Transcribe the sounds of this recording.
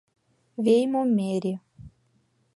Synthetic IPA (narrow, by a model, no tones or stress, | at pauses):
vejmomeɾi